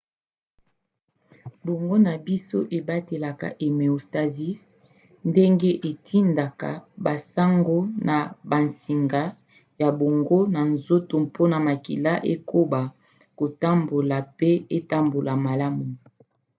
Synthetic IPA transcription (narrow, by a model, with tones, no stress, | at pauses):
bo˨ŋɡo˦na˨bi˦so̰˦ʔe˨ba˦te˨la˨ka̰˨ʔe˨me˨o˨sta˨zi˦s | nde˦ŋɡe˦ʔe˨tʰi˦nda˨ka̰˨ba˨sa˦ŋɡo˦na˨ba˨nsi˨ŋɡa˦ | ja˨bo˨ŋɡo˦na˨nzo˦to˨mpʰo˦na˨ma˨kḭ˨la˦ʔe˦ko˦ba˨ | ko˨ta˦mbo˨la˨pe˦e˦ta˦mbo˨la˨ma˨la˦mu˨